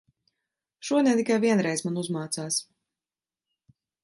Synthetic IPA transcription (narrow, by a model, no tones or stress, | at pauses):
ʃuɔd̪ʲɛnt̪ikajviɛnɾɛjzmanuzmaːt̪saːs